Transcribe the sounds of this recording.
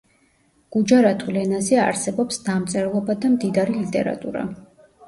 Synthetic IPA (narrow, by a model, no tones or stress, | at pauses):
ɡ̥ud͡ʒaɾat̪ʰʼvwlɛnazɛa̰ɾsɛbɔpsd̪amt̪sʼɛɾlˠɔbad̪amd̪id̪aɾilit̪ʼɛ̰ɾa̰t̪ʼṵɾa̰